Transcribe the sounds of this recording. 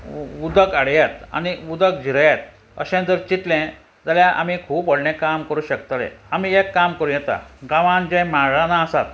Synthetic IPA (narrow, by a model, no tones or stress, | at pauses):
ud̪əkaɽjat̪a̰niud̪ək̚d͡ʑʱiɾjat̪ | ə̰ɕɛ̃nd͡z̪əɾt͡ɕit̪lɛ̃ | d͡zaljaʔa̰mikʰuːpɔɽnẽkamkəɾuːɕəkt̪alɛ̰̃amiːekːamkəɾũjɛt̪a̰ɡaʋãnd͡ʑɛ̃maɾãnaəsat̪̚